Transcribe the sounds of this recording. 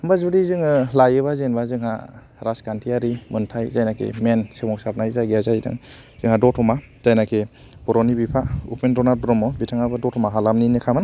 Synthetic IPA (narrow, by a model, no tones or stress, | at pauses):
ɯmbazuɾizɯŋɯlajɯβazenbazɯŋɦa̰ | ɾaskantʰiaɾimɯntʰajzajnakʰḛmensemɔksaɾnajzajɡiazajdɯ̰ŋ | z̥ɯŋhadɔtʰɔma | z̥ajnakʰe | b̥ɔɾɔnibipʰaṵpʰmendɔnaɾbɾɔmɔbitʰaŋabɯdɔtʰɔmaɦalamninikʰaman